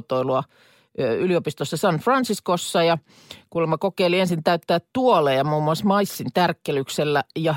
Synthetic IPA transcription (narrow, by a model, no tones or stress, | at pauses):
t̪oiluɑ | yliopist̪osːɑsɑnfrɑnsiskosːɑjɑ | kulːemːɑkokeiliensint̪æyt̪ːæːtt̪uolejɑmuːmuɑsmɑisːint̪ærkːelykselːæjɑ